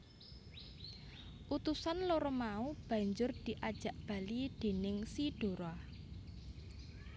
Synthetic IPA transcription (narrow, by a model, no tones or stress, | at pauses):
ʔut̪usanloɾɔmaub̥ä̤ɲd͡ʒʊrd̪̥i̤ʔad̥ʒ̥a̤ʔb̥ä̤lid̪̥e̤nɪŋsiɖ̥o̤ɾɔ